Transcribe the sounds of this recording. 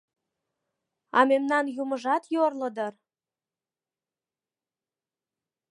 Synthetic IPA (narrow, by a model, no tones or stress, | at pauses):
ɑ̰memnɑnjuməʒɑt̪jorlə̆d̪ər